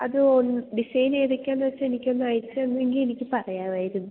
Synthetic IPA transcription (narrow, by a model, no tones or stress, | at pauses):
ɐðɨonːɖisɐjneːðɐkʲːaːnːɐʋɐt͡ɕːaenikʲːonːɐɐjsɨonːʋeŋɡile̞nikʲːɨpɐrɐjaːʋaːjiɾunːu